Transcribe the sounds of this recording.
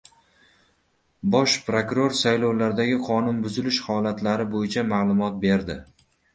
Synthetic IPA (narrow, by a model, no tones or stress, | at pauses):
bɒʃpɾokɾo̞ɾsajlowlaɾd̪aɡʲɪqʰɒnʊnbʊzɪlɪʃhɒlat̪ʰlaɾɪbojɪt͡ʃʰamalˠʊmɒt̪̚be̞ɾd̪ɪ